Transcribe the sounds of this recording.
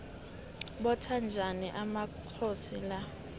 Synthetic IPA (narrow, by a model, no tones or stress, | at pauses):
ɓɔtʰand͡ʒʱaniʔama | kʰosila